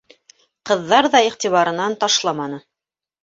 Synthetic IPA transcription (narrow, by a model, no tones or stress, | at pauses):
qɤ̆ðːɑɾðɑiχt̪iβɑɾɤ̆nɑnt̪ɑʃlˠɑmɑnɤ